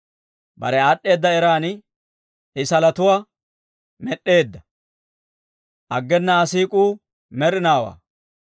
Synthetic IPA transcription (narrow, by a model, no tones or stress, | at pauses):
bɐ̰ɾɛaːɗːe̞ːd̪ːɐɛɾaːnɪ | ɪsɐlɐt̪ʊwaː | mɛɗːe̞ːd̪ːɐ | ʔɐɡːɛnːɐːsiːkʼuː | mɛɾɪnaːwa̰ː